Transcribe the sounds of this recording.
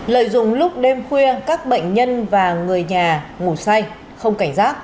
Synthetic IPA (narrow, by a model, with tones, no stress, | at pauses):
lə̰ː˧˨jzʊ˨ŋ͡mlʊ˦˥k͡p̚ɗe˧mxwi˧əkaː˦˥k̚ɓə̰˧˨jŋ̟ɲə˧nvaː˨˩ŋɨ˨˩əjɲaː˨˩ŋu˧˩sa˧j | xə˧wŋ͡mka˧˩jŋ̟zaː˦˥k̚